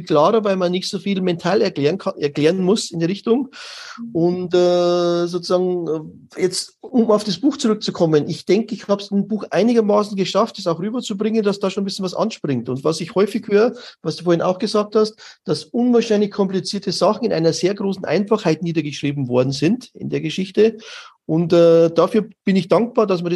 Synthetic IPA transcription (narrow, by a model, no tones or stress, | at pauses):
kʰlaːʁəvaɪlmanːɪçtz̥oːfiːlmɛntʰaːlɛɐnkʰanɛɐkl̥eːʁəənmʊsɪndeːʁɪçtʊŋ | ʔʊntɛːzoːt͡suzaːɡŋ̩ | jɛt͡stʊmaʊfd̥asb̥uːxt͡suʁʏk̚t͡sukʰɔmənʔɪçd̥ɛŋkəɪçhaːbəsɪnbuːxʔa̰ɪnɪɡɐmaːsn̩ɡəʃaft̚d̥ɛsaʊxʁyːbɐt͡subʁɪŋəndasd̥aːʃoːnbɪsçənvasʔɑ̰nʃpʁ̥ɪŋtʊntvasɪçhɔʏfɪçhøːʁəvasd̥uːfoːɐɪna̰ʊxɡ̥əzaːk̚thast̚d̥asʔʊnvaːɐʃaɪnlɪçkʰɔmplit͡siːɐtʰəzaχn̩ɪnʔa̰ɪnɐzeːɐɡʁoːsn̩ʔa̰ɪnfaχhaɪtniːdɐɡəʃʁ̥iːbm̩vɔɐdn̩zɪntɪ̰ndeːɐɡəʃɪçtəʔʊntɛːd̥afyːɐb̥ɪnɪçd̥aŋk̚b̥aːɐdasmiɐd